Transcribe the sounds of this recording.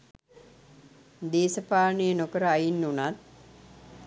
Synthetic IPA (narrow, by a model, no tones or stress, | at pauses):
d̪eːsəpaːnəjənokəɾəajinːunat̪̚